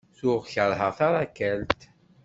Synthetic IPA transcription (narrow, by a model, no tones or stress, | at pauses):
θʊʁçəɾˤɦəʁθaɾˤakːælt̪